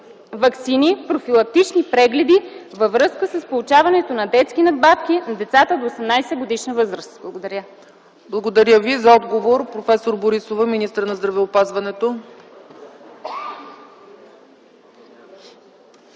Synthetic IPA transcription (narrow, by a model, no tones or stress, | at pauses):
vɐksinipɾofilˠɐk̚t̪it͡ʃnipɾɛɡlɛd̪ivəvɾɤskəsəspolˠut͡ʃavɐnɛt̪onɐd̪ɛt̪skinɐd̪̚bat̪kʲinɐd̪ɛt̪sat̪əd̪oːsɛmnajsɛɡod̪iʃnəvɤzɾəst̪blˠɐɡod̪ɐɾʲə | blˠɐɡod̪ɐɾʲjəvizɐɔd̪ɡovoɾpɾofɛsoɾboɾisovəminist̪əɾnɐzd̪ɾɐvɛopazvɐnɛt̪o